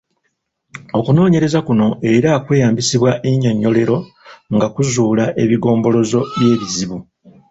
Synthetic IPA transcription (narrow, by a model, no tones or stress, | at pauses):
o̞kuno̞ːɲe̞ɾe̞zakuno̞e̞ɾakwe̞ːjaːmbisiβwaʔeɲoɲːo̞le̞ɾo̞ | ŋɡakuzuːlaʔe̞βiɡo̞ːmbo̞lo̞zo̞βje̞ːβiziβu